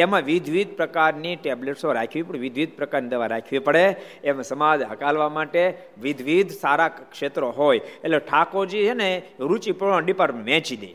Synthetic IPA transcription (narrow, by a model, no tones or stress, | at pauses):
emãʋid̪ʱʋid̪̚pɾəkaɾniʈebleʈsoɾakʰʋipəɽʋɪd̪ʱʋid̪̚ʱpɾəkaɾnid̪əʋaɾakʰʋipəɽeemãsəmad͡ʒɦə̰kalʋamaʈe | ʋɪd̪ʱʋid̪ʱsaɾakʃet̪ɾoɦojeʈleʈʰakoɾd͡ʒiəneɾut͡ʃipãɖipəɾʋɛ̃t͡ʃid̪ḭ